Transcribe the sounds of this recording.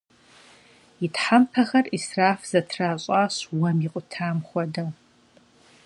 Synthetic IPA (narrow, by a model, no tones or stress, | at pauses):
jɪtħampʰɐxɐrisraːfz̥ɐtʰraːɕʼaːɕwɐmiqʷʼʊtʰaːmχʷɔdɐ